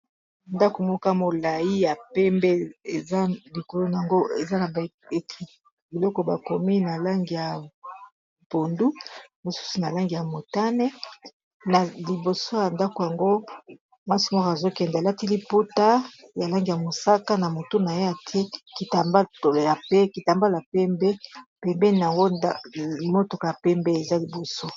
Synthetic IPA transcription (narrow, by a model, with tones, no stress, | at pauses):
nda˦ko˨mo˦ka˦mo˨la˨ji˦ja˨pɛ˦mbɛ˦e˨za˦li˨ko˨lo˦na˨a˨ŋɡo˦e˨za˦na˨be˨i˨ | bi˨lɔ˦kɔ˦ba˨ko˨mi˦na˨la˦ŋɡi˨ja˨ | b̥o˨ndu˦mo˨su̥˦su˦na˨la˦ŋɡi˨ja˨mo˨ta˦nɛ˦ | na˨li˨bo˨so˦ja˨nda˦ko˨ja˨ŋɡo˦ | mwa˦si˨m˦a˦ka˨zo˦kɛ˨nda˨la˦ti˦li˦po˦ta˦ja˨la˦ŋɡi˨a˨mo˨sa˦ka˦na˨mo˨to˦na˨je˦ja˨tʰe˦ki˨ta˨mba˦˨ja˨pɛ˦ki˨ta˨mba˦la˨pɛ˦mbɛ˦pɛ˨mbɛ˦ni˨a˨ŋɡo˦a˦˨mo˦to˨ka˨ja˨pɛ˦mbɛ˦e˨za˦li˨bo˨so˦